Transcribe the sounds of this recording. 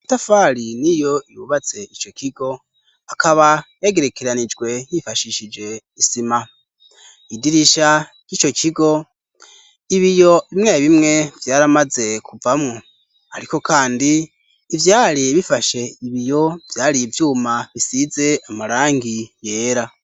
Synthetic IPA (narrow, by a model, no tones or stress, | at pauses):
itafaɾinijo̞ijuβat͡se̞it͡ʃo̞kiɡo̞ | akaβajeɡe̞ɾe̞keɾanid͡ʒɡwe̞jifaʃiʃid͡ʒe̞ | isima | idiɾiʃa | jiːt͡ʃo̞kiɡo̞ | iβijoiβimŋaβimŋe̞vjaːɾamaze̞kʰuvamŋo | haɾiko̞kaːndiː | vjaːɾiβifaʃe̞iβijo̞vjaːɾivjuːmaβisize̞amaɾaːŋɡije̞ːɾa